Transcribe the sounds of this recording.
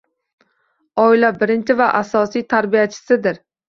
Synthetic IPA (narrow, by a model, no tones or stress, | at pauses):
ɒɪlabɪɾɪnt͡ʃʰɪvaʔasɒsijt̪ʰaɾbijat͡ʃʰɪ̥sɪd̪ɪɾ